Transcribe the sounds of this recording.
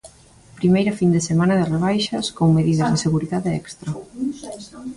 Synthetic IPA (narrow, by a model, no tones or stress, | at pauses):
pɾimejɾɐfind̪esemãnɐðɪreβajʃɐskoŋmeðiðɐzðeseɣuɾiðaðeɛkst̪ɾɐ